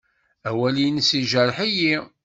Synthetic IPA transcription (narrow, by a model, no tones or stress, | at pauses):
æwælinsiʒəɾˤħiji